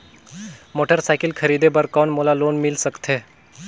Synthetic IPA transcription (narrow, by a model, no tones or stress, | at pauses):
moːʈəɾsaːɪkɪlkʰəɾiːd̪ebəɾkɔːnmoːlaloːnmɪlsəkt̪eː